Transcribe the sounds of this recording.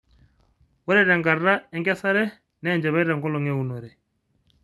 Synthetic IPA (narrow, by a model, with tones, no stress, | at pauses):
wɔ˦ɾɛ˦ɾɛ˨ŋɡa˨ra˦ɛ˦ŋɡɛ˦sa˦ɾɛ˦ | nɛː˦˨nd͡ʒɛ˨βɛ˦ɾɛ˨ŋɡɔ˦lɔ˨ŋɛ˦˨u˨no˨ɾɛ˨